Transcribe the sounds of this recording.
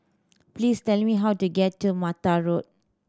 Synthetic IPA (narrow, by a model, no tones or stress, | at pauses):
plistɛlmiɦawtuɡɛtːumataɹot̚